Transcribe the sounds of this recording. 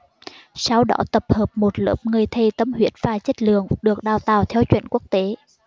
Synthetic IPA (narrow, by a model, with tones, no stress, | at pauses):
sa˧wɗɔ̰˨˦t̪ə˨˩p̚həː˨˩p̚mo˨˩t̚lə̰ː˧˥p̚ŋɨ˨˩əjt̪ʰe˨˩t̪ə˧mhwḭ˧˥ənvaː˨˩t͡ɕə˦˥t̚lɨ˨əŋɗɨ˨˩ək̚ɗaː˨˩wt̪aː˨˩wt̪ʰɛ˧wt͡ɕwḭ˧˨nku˦˥ək̚t̪e˨˦